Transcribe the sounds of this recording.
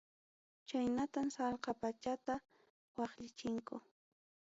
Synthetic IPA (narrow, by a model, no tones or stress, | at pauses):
t͡ʃajnat̪amsɑlqɑpat͡ʃat̪a | wɑχʎɪt͡ʃɪŋkʊ